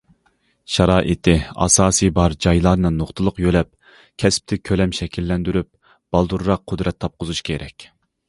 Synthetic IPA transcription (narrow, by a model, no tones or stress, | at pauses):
ʃɑɾɑːʔit̪ʰɪɑ̰sɑːsijbɑɾd͡ʒɑjlˠɑɾnɨnoχt̪ʰɨlˠʊqjølɛp̚ | kʲʰɛsp̚t̪ʰɪkʲʰølɛmʃɛkʲʰilːɛnd̪yɾyp̚ | b̥ɑlˠd̪uɾɾɑq̚ːʰʊd̪ɾɛt̪ʰːɑp̚qʰʊzuʃkʲʰeɾʔɛ̰kʲ